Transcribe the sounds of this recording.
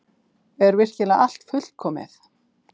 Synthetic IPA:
ɛɾvɪr̥cɪlaʔal̥t̪fʏl̥kʰɔːmɪ̰θ

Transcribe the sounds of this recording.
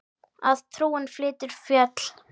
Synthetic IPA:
a̰ðt̪ʰɾuːɪnflɪːt̪ɪɾ̥fjœt̪l̥

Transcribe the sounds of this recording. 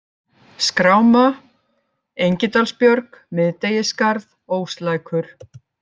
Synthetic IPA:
skɾaːwma | ejɲcɪt̪alspjœɾkmɪðt̪ejɪskaɾðoːwst̪laːjkʰʏɾ̥

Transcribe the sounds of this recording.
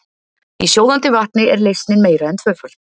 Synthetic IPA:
isjowðant̪ɪvaht̪nɪɛɾlejst̪nɪnmeːjɾaɛnt̪ʰvœːfœl̥

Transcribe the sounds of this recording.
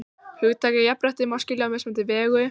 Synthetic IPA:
hʏɣt̪ʰaːkɪjapɾaht̪ɪmascɪlɪawmɛsmɛnt̪ɪvɛːɣʏ

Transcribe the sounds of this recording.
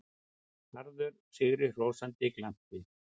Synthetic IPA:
haɾðʏɾ̥ | sɪɣɾɪr̥oːwsant̪ɪklam̥tɪ

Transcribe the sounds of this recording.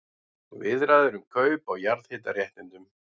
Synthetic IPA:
vɪðɾaːðʏɾʏmkʰœːɥpawjaɾðhɪːt̪arjɛht̪nɪnt̪ʏm

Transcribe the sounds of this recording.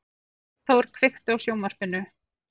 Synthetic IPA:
θowɾ̥kʰvɪht̪ʏawsjoːwmar̥pɪnːʏ

